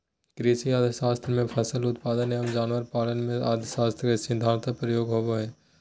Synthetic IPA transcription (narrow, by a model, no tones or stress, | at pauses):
kɾiːsiaːd̪ʱəsaːst̪ʰɾmẽpʰɛsəlʊt̪paːd̪ənɦeɦɐmd͡ʒaːnʋəɾpaːlənmẽaːd̪əsaːst̪ʰɾkesɪd̪ʱãːnt̪ʰpɾəjoːɡɦoːboɦɛ̃ː